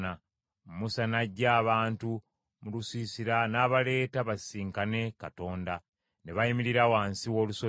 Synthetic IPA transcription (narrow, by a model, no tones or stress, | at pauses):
a | mmusanaɟːaːβaːntu | mulusiːsiɾanaːβale̞ːtaβasiːŋkane̞kato̞ːnda | ne̞βajimiɾiɾawaːnsiwoːluso